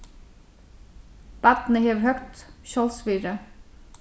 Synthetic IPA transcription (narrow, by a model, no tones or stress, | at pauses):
b̥æd̪n̩əheːʋhœkt̪ʃɔlsʋiːɾə